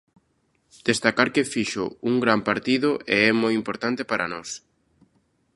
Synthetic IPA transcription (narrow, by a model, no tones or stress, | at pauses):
d̪̥est̪akaɾkɪfiʃʊ̰uŋɡɾampaɾt̪iðʊʔeɛmojimpoɾt̪ant̪epaɾa̰nɔs